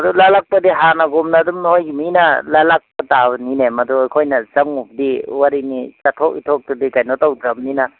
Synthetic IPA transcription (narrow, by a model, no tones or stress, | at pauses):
ɐdulalak̚pɐdiɦanɐɡumnadumnojɡiminalalak̚pɐtaninemɐdujkʰojnɐzaŋup̚diwaɾinit͡ʃatʰɔk̚itʰɔk̚tudikajnotawdɾamninɐ